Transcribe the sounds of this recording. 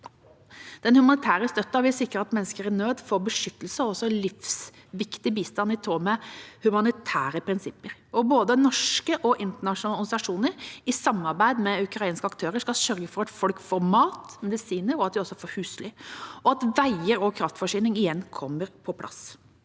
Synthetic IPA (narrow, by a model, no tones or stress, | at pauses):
d̪̥ɛnhʉmɑnɪt̪ʰæːɾəst̪œt̪ːɑʋɪsɪkːɾəɑt̪mɛnːəskəɾænøːd̪fɔɾbəʂʏt̪ːəlsəɔsɔlɪfs | ʋɪkt̪ɪbiːst̪ɑnɪt̪ʰɾoːmɛhʉmɑnɪt̪ʰæːɾəpʰɾɪnsɪpːəɾɔboːd̪ənɔʂkəʔɔʔɪnt̪əɳɑʂnɑlnsɑʂuːnəɾɪsɑmːɑɾbæɪd̪mɛʉkɾɑiːnskəɑkt̪ʰøːɾəʂkɑlsœɾɡəfɔɾɛt̪fɔlkfɔɾmɑːt̪mɛd̪ɪsiːnəɾɔɑt̪̚d̪ɪɔsːɔfɔɾhʉːslɪɔɑt̪ʋæɪəɾɔkʰɾɑft̪fɔʂyːnɪŋɪjɛnːkʰɔmːəɾpʰɔpʰlɑ̰s